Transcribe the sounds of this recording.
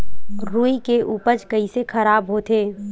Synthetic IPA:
ɾuːikeʔuːpəɾd͡ʒkəisekʰɐɾaːbɦot̪eː

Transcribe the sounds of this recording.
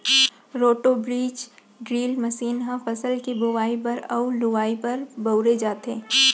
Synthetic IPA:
ɾoːʈobɾiːt͡ʃ | ɖɾiːlmɐsiːnɦãfɐsəlkibʊʋaːipɐɾɐulʊʋaːipɐɾbɐʊɾed͡ʒaːt̪ɦeː

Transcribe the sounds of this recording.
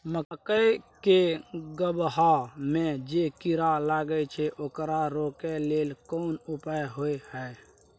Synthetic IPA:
məkəjkeɡəbɦamed͡ʒekiɾalaɡət͡ʃʰɛʔokɾaɾokelelkonupəjɦojhə

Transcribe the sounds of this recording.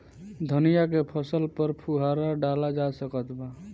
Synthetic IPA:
d̪ʱənijak̬epʰəsəlpəɾpʰuɦaɾaɖalad͡ʒasəkət̪ba

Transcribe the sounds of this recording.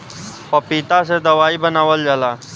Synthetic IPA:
pəpiːt̪ased̪əʋaːiːbənaːʋəld͡ʒəlaː

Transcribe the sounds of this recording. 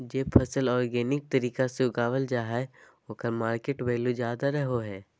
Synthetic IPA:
d͡ʒeːpʰɐsəlɔːɾɡeːnɪk̚t̪ɐɾiːkaseʊɡaːʋəld͡ʒaːɦae | oːkəɾmaːɾkeːʈbeːluzjaːd̪aɾɐɦoɦɛː

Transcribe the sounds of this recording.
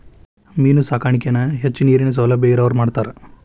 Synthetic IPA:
miːnusaːkʰaːɳikenɐɦet͡ʃːuniːɾines̬ɐlɐbeɡiɾɐʋɐɾmaːɖt̪aːɾe

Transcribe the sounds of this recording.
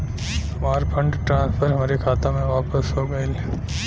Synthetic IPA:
hɐmaːɾpʰɐ̃ɳɖʈɾãːspʰəɾɦɐmaːɾikʰaːt̪ãmẽʋaːpəsɦoːɡəil

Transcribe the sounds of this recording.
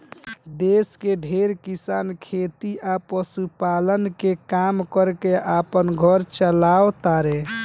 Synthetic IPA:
d̪eskeɖʱeɾkisankʰet̪iʔapəsupalənkekamkəɾkeʔapənɡʱəɾt͡ʃəlawt̪aɾe

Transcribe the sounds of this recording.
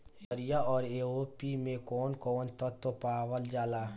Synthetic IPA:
əɾijaɔːɾeːoːpimẽkɔːnkɔːnt̪ɔt̪opaːʋəld͡ʒaːlaː

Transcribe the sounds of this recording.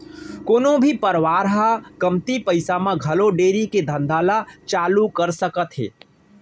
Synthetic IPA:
koːnõbʱipɐɾʋaːɾɦakɐmt̪ipɐɪsamãɡʱɐloɖeːɾiked̪ʱɐ̃nd̪ʱaːlat͡ʃaːlukɐɾsəkət̪ɦḛː

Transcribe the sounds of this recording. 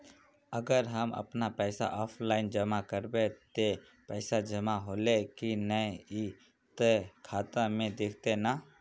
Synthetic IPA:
əɡəɾɦəmə̰pnapɛːsa̰ʔɔːpʰlaːɪnd͡ʒəmakəɾbet̪e | pɛːsad͡ʒəmaɦoːlekinəi | t̪kʰaːt̪amẽd̪eːkʰt̪ena

